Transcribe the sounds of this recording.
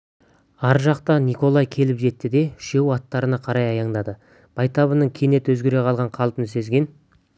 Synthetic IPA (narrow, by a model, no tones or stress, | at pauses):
ɑɾʒɑqt̪ɑnijko̞lˠɑjkʲʰe̞lɪpʒe̞t̪ːɪd̪e̞ɪ̥ʃe̞wɑt̪ːɑɾənɑqʰɑɾɑjɑjɑɴd̪ɑd̪ə | b̥ɑjt̪ɑβənəɴkʲʰene̞t̪wɵzɡʲe̞ɾe̞qʰɑlˠʁɑɴqʰɑlˠpənse̞zɡʲe̞n